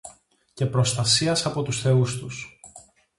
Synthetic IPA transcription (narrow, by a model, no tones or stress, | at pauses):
ce̞pɾo̞st̪ɐsiɐsɐpo̞t̪usθe̞ust̪us